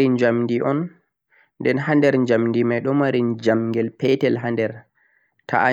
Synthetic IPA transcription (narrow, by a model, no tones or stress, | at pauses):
ind͡ʒamndiʔɔn | ndɛnɦandɛɾɲd͡ʒamndimajɗɔmaɾind͡ʒamŋɡɛlpɛtɛlɦandɛɾ | tʰa̰a